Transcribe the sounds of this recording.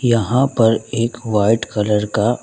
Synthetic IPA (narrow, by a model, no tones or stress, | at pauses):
jɐɦãpɐɾeːkʋaːɪʈkɐləɾka